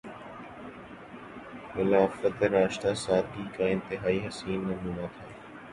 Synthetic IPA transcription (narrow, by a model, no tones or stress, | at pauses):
mɪlaːfət̪eɾaːʃt̪asaːd̪̚ɡiːkaɪ̃nt̪ɪɦaːiːɦɐsiːnːɐmũːnat̪ʰaː